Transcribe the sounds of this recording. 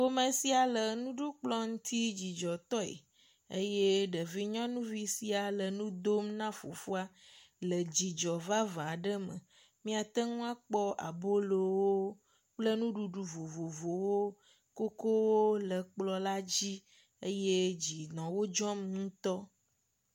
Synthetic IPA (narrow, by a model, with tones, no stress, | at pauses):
wo˦mə̃˨si˦a˨lə˨nũ˦ɖu˦k͡plɔ˦ŋũ˦t̪ʰi˦d͡ʑi˨d͡ʒɔ˨t̪ɔ˦ḛ˨ | ḛ˦je˦ɖə˨vi˦ɲɔ̃˦nũ˦vi˦si˦a˨lə˨nũ˦d̪o˦mnã˦fo̰˨fu˦a˦lə˨d͡ʑi˨d͡ʒɔ˨va˦vã˨ɖə˦mə̰̃˨ | mĩ˦a˨t̪ə˦ŋũ˦a˦k͡pɔ˦ʔa̰˨bo˦lo˨wo˦ | k͡plə˦nũ˦ɖu˨ɖu˨vo˨vo˨vo˨wo˦ | ko˦ko˦wo˦lə˨k͡plɔ˦la˦d͡ʑi˦ | e˦je˦d͡ʑi˨nɔ̃˨wo˦d͡ʒɔ˦m˦ŋũ˦t̪ɔ˦